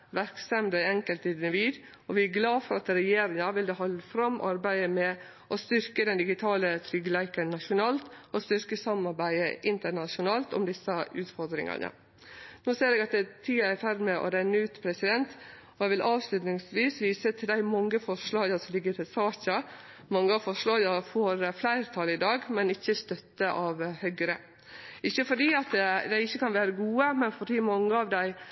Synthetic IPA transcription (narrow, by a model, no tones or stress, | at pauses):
ʋæɾksɛmd̪æɪɛŋkəlt̪ɪd̪nəʋiːd̪ | ɔʋɪæɡlɑːfɔɾɑt̪ɾɛjeːɾɪŋɑʋɪld̪ɛhɑlfɾɑmːʔɑɾbæɪəmɛ | ʔɔst̪ʏɾkəd̪ɛnd̪ɪɡɪt̪ʰɑːlət̪ʰɾʏɡəlæɪkənnɑʃʊnɑːlt̪ɔst̪ʏɾkəsɑmɑɾbæɪəʔɪnt̪əɳɑʂʊnɑːlt̪ɔ̰md̪ɪsəʔʉːt̪fɔɾd̪ɾɪ̰ŋɑ̰nə̰ | noːseːɾeːɡɑt̪̚d̪ɛt̪ʰiːɑæɾfæɾmɛʔɔ̰ɾæɪnːəʉːt̪pʰɾɛsɪd̪ɛnt̪ | ɔɛʋɪlʔɑːʋslʉt̪nɪŋsʋiːsʋiːsət̪ʰɪld̪æɪmɑŋːəfɔʂɭɑːɡəsɔmlɪɡːəɾt̪ʰɪsɑːçə | mɑŋːəɑfɔʂɭɑːɡɑfɔɾflæɪɾt̪ʰɑlɪd̪ɑːɡmɛnɪçːəst̪œt̪ːəʔɑʋhœɡɾə | ɪçːəfɔɖiːɑt̪d̪æɪɪçːəkɑnʋæːɾəɡuːəmɛnfɔɖiːmɑŋːəɑʋd̪æɪ